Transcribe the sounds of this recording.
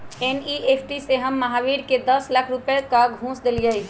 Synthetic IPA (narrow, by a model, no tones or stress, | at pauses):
eniʔepʰʈiseɦəmːəɦaʋiɽked̪əslakʰɾupekaɡɦũsd̪elijəj